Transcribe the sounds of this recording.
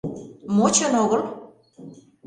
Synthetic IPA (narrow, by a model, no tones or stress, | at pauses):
mot͡ɕɤnoɣɤ̆l